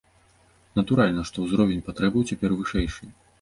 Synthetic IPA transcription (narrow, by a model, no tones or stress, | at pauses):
nɐt̪uɾalʲnɐʂt̪ɔwzɾɔvʲɛnʲpat̪ɾɛbɨwt͡sʲɛpʲɛrvɨʂɛjʂɨ